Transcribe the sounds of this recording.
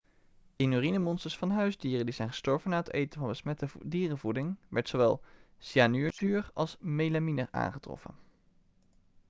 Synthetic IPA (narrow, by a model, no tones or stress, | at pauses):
ɪnyːrinəmɔnstəɹsfɑnɦœɥzdiːrəndizɛjnχə̥stɔɹvənaːətḛjtənvɑnbəsmɛtədiːrəvudɪŋʋɛɹtsoʋɛlˠ | sianyːɹzyːrɑlˠsmejlaminərʔa̰ːnχətrɔ̰fə̰n